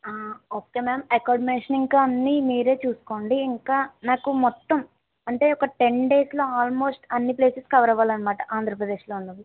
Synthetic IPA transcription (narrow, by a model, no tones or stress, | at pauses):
aːoːke̞ːmaːmɐkaːɖmeɳʂɐniŋkaɐnːimiːɾe̞ːt͡ʃuːsu̥ko̞ːɳɖiːŋkaːnaːkumɔt̪ːɐm | ɐɳʈe̞ːɔkɐʈe̞ɳɖe̞ːslo̞ːaːlmo̞ːsʈɐnːiple̞ːsɐskɐʋɐɾɐʋaːlɐnːɐmaːʈɐʔaːnd̪ʱɾɐpɾɐd̪e̞ːʂlo̞ːunːɐʋ̪i